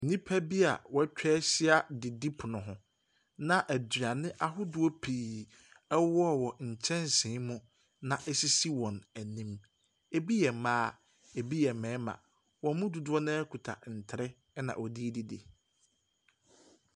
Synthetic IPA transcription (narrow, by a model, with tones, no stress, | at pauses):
n̩˨nĩ˦pʰæ˦bi˦a̰˨wɔ˦t͡ɕᶣɛː˦ɕɪ˦a˨dɪ˨di˦pʰʊ˨nʊ̃˨ɦʊ̃˨ | nã˨ʔæ˨dɥa˨nɪ̃˦ʔa˦ɦʊ˦dʊ˨˦o˦pʰiː˨ | ɛ˦wɔ˦˨wɔ˨ɲ̩˨t͡ɕʰɛ̃˦nsɪ̃ː˨˦mʊ̃˦ | nã˨ʔɛ˦si˦si˦wɔ̃˨næ˨nĩ˦m | e˦bi˦jɛ˨mãː˦ | e˨bi˦jɛ˨mɛ̃ː˨˦mã̰˨ | wɔ̃˨˦mʊ̃˦du˨dʊ˦ɔ˦nʊ̃˦ɛ˦kʰu˨tʰa̰˨n̩˨tʰɪ˨ɾɛ˦ | ɛ˦nã̰˨ʔɔ˨di˦di˨dḛ˨